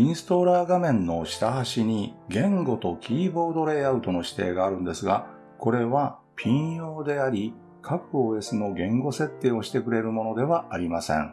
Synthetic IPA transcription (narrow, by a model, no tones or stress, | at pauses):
ĩɰ̃sɨ̥t̪o̞ɾaːɡamẽ̞nːo̞ɕi̥t̪aɦaɕiɲ̟iɡẽ̞ŋɡo̞t̪o̞kʲʰiːbo̞ːd̪o̞ɾe̞aɯ̟t̪o̞no̞ɕi̥t̪eːɡaːɾɯ̟̃nd̪e̞sɨɡa̰ | ko̞ɾe̞βa | pʲĩo̞ːd̪e̞aɾʲi | kʰakɯ̟oe̞sɨno̞ɡẽ̞ŋɡo̞se̞t̪ːe̞ːo̞ɕi̥t̪e̞kɯ̟ɾe̞ɾɯ̟mo̞no̞d̪e̞βaaɾʲimasḛ̃ŋ